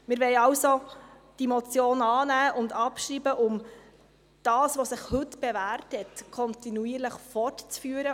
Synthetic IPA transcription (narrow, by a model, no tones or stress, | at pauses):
mɪɾʋɛɪɑwso | d̥imot͡sjoːnɑːnæːʔʊndɑpʃɾiːbəʔʊm | d̥ɑːsʋosɪχhɵtb̥evæːrthɛtkʰɔntinuiːəɾləχfɔrtt͡sfyːɾə